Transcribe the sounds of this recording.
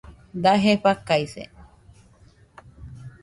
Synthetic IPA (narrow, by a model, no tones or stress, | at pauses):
d̪aɦeɸakajsḛ